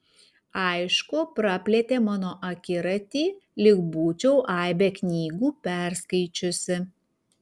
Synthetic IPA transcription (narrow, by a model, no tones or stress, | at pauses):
ɐɪʃkʊpɾɑpʲlʲɛt̪ʲeːmɑːnoːʔɐkʲɪɾɐt̪ʲiːlʲɪɡbuːt͡ʃʲɛʊʔɑˑɪbʲeknʲiːɡuːpʲæˑɾskɐɪt͡ʃʲʊsʲɪ